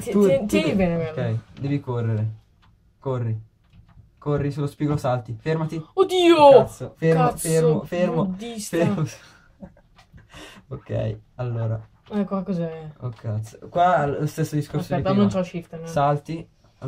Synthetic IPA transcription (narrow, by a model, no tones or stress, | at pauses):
t̪ut̪uibɛneoɛkːɛjd̪ɛːvikorːeɾe | korːi | korːisulːospiɡolosalt̪ifermat̪iod̪iːoat̪sːofermofeɾmofermoifes | okːɛ̰jalːoːɾa̰ | ɛkːakɔzaɛokʰːat̪sokwalost̪esːod̪iskorsoinõnsɔlʃift̪anssalt̪i | a